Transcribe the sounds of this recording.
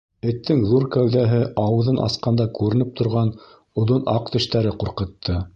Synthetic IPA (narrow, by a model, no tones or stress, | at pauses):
ɘ̆t̪ːɘŋðuɾkæwðæɦɘʔɑwɤ̆ðɤnʔɑ̰sqɑnd̪ɑkʉɾɘ̆nɘp̚t̪ŏɾʁɑn | ŏðonɑqt̪ɵ̆ʃt̪æɾɘquɾqɤ̆t̪ʰːɤ